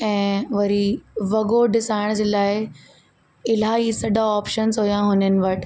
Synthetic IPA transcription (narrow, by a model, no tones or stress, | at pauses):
ɛ̃ːʋɐɾiʋɐɡoɖɪsaːɪɽ̃d͡ʑelaːɪ | ɪl̤aisɐɖaɔːpʃənzɦoːjãɦʊnənɪ̆ʋɐʈʰ